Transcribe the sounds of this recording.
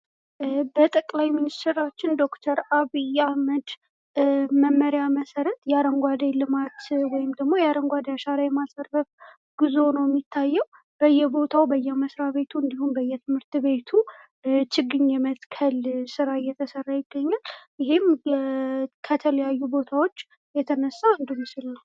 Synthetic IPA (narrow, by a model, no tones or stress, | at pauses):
bət̪ʼəkʼlajminist̪ʰɛɾat͡ʃːɪnd̪o̞kt̪ʰəɾaβijahməd̪ | məmːəɾjaməsəɾət̪jɛaɾəŋɡʷad̪ajlɨmat̪wɔjɪmd̪əɡmo̞jɛaɾəŋɡʷad̪jaʃaɾajɛmasərːəf | ɡ̥ɨzo̞nəwjɛmːit̪ʰːajːɛw | b̥əjːɛbo̞t̪ʰawbəjːɛməsɾaβe̞t̪ʰuɨnd̪ihumbəjːɛt̪ʰɨmhɨɾt̪βe̞t̪ʰu | t͡ʃɪɡːɨɲjɛmət̪kʰəlsɨɾajɛt̪ʰəsərːajɪɡːəɲːaljɪɦem | kʰət̪ʰələjajːubo̞t̪ʰawo̞t͡ʃː | jɛt̪ʰənəsːand̪umːɨsɨlna